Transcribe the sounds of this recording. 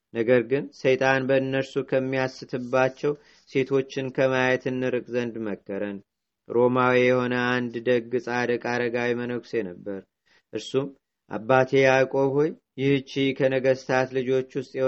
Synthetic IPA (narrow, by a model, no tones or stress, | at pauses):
nəɡəɾɡɨnsəjt̪ʼanbəɨnːəɾsukʰəmːiasːɨt̪ʰɨbːat͡ʃːɛw | se̞t̪ʰo̞t͡ʃːɪnkʰəmajɛt̪ʰɨnːɨɾɨkʼzənd̪məkːəɾən | ɾo̞mawijɛho̞nəand̪d̪əɡɨsʼad̪əkʼaɾəɡawimənəkse̞nəbːəɾ | ʔɨɾsum | ʔa̰bːat̪ʰe̞jakʼo̞ho̞jːɪht͡ʃːikʰənəɡəst̪ʰat̪lɨd͡ʒo̞t͡ʃːwʊst̪ʼjɛ